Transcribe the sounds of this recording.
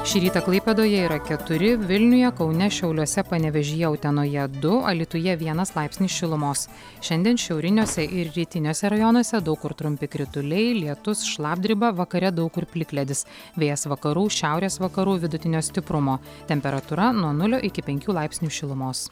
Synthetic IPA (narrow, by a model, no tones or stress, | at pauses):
ʃʲɪɾʲiːt̪ɐklˠɐɪpʲɛd̪oːjɛiːɾɐkʲɛt̪ʊɾʲɪʋʲɪlʲnʲʊjɛkɒʊnʲɛʃʲɛʊlʲuɔsʲɛpɐnʲɛʋʲɛʒʲɪjɛʊt̪ʲɛnoːjɛd̪ʊɐ̰lʲit̪ʊjɛʋʲiɛnɐslˠɑˑɪpʲsʲnʲiːsʃʲɪlˠʊmoːs | ʃʲɛnd̪ʲiɛnʃʲɛʊɾʲɪnʲoːsʲɛʔɪɾɾʲiːt̪ʲɪnʲoːsʲɛɾɐjɔnuɔsʲɛd̪ɒʊkʊɾt̪ɾʊmʲpʲɪkɾʲɪt̪ʊlʲɛɪlʲiɛt̪ʊsʃlˠɑːb̚d̪ʲɾʲɪbɐʋɐkɐɾʲɛd̪ɒʊkʊɾpʲlʲɪklʲɛd̪ʲɪs | ʋʲeːjɛsʋɐkɐɾuːʃʲæˑʊɾʲeːsʋɐkɐɾuːʋʲɪd̪ʊt̪ʲɪnʲoːsʲt̪ʲɪpɾʊmoː | t̪ʲɛmʲpʲɛɾɐt̪uɾɐnuɔnʊlʲoːʔɪkʲɪpʲɛŋʲkʲuːlˠɑɪpʲsʲnʲuːʃʲɪlˠʊmoːs